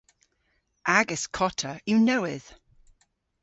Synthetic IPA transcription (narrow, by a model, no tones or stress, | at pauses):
ʔaɡɪskʰɔtʰəjənowɪð̥